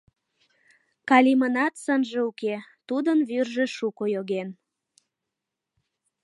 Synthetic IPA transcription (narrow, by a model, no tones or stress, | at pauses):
kɑlʲimənɑt̪sənʒeuket̪ud̪ənβyrʒeʃukojoɣen